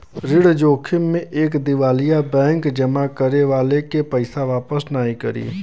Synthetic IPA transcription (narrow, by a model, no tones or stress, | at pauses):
ɾɪɽd͡ʒoːkʰɪmːẽʔeːkd̪ɪʋaːlijabɛ̃ːŋkd͡ʒɐmakəɾeʋaːlekepəɪsaʋaːpəsnaːikɐ̰ɾḭː